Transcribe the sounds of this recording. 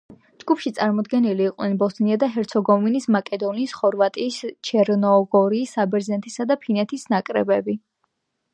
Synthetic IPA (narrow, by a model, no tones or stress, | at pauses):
d͡ʒɡupʰʃit̪sʼaɾmɔd̪ɡɛniliːqʼnɛnbɔst̪niad̪aɦɛɾt̪sʰɔɡɔminismakʼɛd̪ɔniːsχɔɾvat̪ʼiːst͡ʃʰɛɾnɔɡɔɾiːsabɛɾzɛnt̪ʰisad̪apʰinɛt̪ʰisnakʼɾɛ̰bɛbi